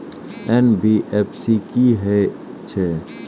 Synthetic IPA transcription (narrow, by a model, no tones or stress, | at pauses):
ɛnbiʔeːpsikiɦɛ | t͡ʃʰɛ